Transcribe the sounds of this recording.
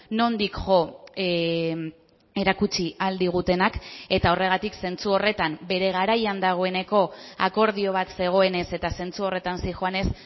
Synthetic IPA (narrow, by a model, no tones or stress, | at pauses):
no̞nd̪ikʝo | e̞ɾakut͡ʃiald̪iɣ̞ut̪e̞nake̞t̪ao̞re̞ɣ̞at̪ikse̞nt͡suo̞re̞t̪ambe̞ɾe̞ɣ̞aɾajand̪aɣ̞o̞e̞ne̞ko̞a̰ko̞ɾð̞io̞β̞at̪se̞ɣ̞o̞e̞ne̞se̞t̪ase̞nt͡suo̞re̞t̪ansixoane̞s